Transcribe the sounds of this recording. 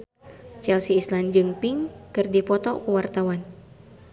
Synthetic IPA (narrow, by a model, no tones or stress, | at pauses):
t͡ʃɛlsiːsland͡ʒɨŋpiŋkɨrdipɔt̪ɔkuwart̪awan